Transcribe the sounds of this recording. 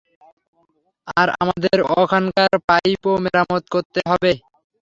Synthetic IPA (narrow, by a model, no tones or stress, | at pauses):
aɾa̰mad̪eɾɔkʰankaɾpajpomeɾamot̪koɾt̪eɦɔbe